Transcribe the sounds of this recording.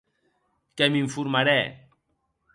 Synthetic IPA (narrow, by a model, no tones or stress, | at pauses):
kɛmiɱfuɾmaɾɛ